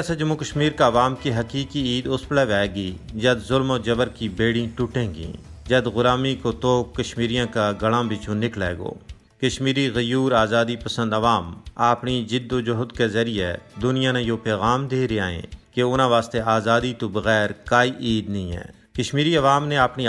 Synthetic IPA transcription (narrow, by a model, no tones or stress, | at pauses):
ɛːsad͡ʒɐmːukəʃmiːɾkaɐʋaːmkiɦɐkiːkiiːd̪ʊspɽɛʋɛːɡid͡ʒɐd̪zʊlmoːd͡ʒɐbəɾkibeːɽĩʈʊʈẽːɡḭ̃ː | d͡ʒɐd̪ɣʊlaːmikot̪oːkːɐʃmiːɾijãkaɡɐɽãbʱɪt͡ʃũnɪklɛːɡo̰ː | kɐʃmiːɾiɣɐjuːɾaːzaːd̪ipɐsə̃nd̪ɐʋaːmaːpnid͡ʒɪd̪ːod͡ʒoɦʊd̪kezɐɾijed̪ʊnijanãjoːpɛːɣaːmd̪eːɾeaːḛ̃ːkeʊːnãʋaːst̪eaːzaːd̪it̪obɐɣɛːɾkaːiʔiːd̪nɐɦĩːɦɛ̰ː | kɐʃmiːɾiɐʋaːmneaːpni